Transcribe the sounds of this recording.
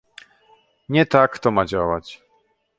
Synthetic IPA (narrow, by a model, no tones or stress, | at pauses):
ɲɛt̪akt̪ɔmad͡ʑawat͡ɕ